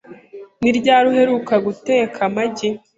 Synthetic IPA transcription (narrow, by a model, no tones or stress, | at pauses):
niɾɟaːɾuhe̞ɾukaɡuteːkʰamaɟe